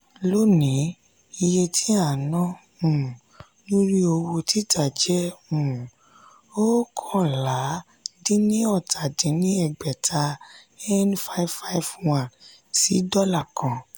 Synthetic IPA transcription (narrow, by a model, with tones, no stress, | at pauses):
lo˦nĩ˨˦ | i˧je˧tʰi˦a˦˨nɔ̃˦ | ũ˨ | nũ˦ɾi˦o˧wo˧ti˦tʰa˨d͡ʒɛ˦ũ˦˨ | o˦kʰɔ̃˦˨la˨˦ | dĩ˦nĩ˦ɔ˦˨tʰa˨dĩ˨˦nĩ˦ɛ˦˨ɡ͡bɛ˨tʰa˧ | ɛ˦nfa˦i˦fa˦i˦fwã˨ | si˨˦dɔ˦la˦˨kʰã˨